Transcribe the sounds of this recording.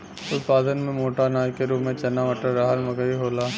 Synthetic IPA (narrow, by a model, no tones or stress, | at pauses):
ʊt̪paːd̪ənmẽmoːʈanaːjkeɾuːmẽt͡ʃɐnːaʋəʈəɾːaːɦəlmɐɡəɾiɦoːlaː